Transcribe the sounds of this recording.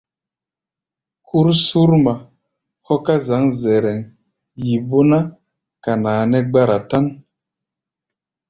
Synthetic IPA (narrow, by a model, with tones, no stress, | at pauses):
kʰu˦ɾsu˦ɾma˨ | hɔ˦ka˦za˨˦ŋzɛ˨ɾɛ˨ŋ | ji˨bo˦na˦ | ka˨naː˨nɛ˦ɡ͡ba˦ɾa˨ta˦n